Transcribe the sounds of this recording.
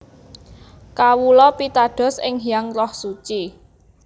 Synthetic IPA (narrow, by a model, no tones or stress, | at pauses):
kawulɔpit̪aɖ̥ɔ̤sɪŋjaŋrɔhsut͡ʃi